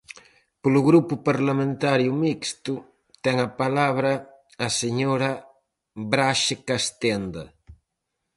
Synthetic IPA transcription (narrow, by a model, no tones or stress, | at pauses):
polʊɣɾupʊpaɾlamẽnt̪aɾjʊmikst̪ʊ | t̪ɛŋɐpalaβɾɐː | seɲoɾɐ | bɾaʃɪkast̪end̪ɐ̰